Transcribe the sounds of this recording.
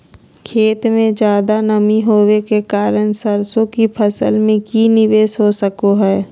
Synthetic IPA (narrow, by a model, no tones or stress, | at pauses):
kʰeːt̪mẽd͡ʒjaːd̪anəmiɦoːwekekaːɾənsəɾsõkipʰəsəlmẽkinɪʋeːsɦosəkoɦɛː